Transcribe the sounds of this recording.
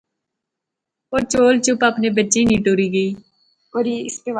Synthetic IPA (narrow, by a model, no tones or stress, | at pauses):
oːɾt͡ʃoːlt͡ʃʊpapneːbətːt͡ʃĩːniːʈoːɾiːɡəiː | oɾiːɪsteʋ